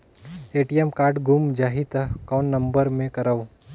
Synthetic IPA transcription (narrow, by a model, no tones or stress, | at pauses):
eːʈiemkaːɾɖɡumd͡ʒaːɦit̪ɐkɔːnːɐ̃mbəɾmẽkɐɾaʋ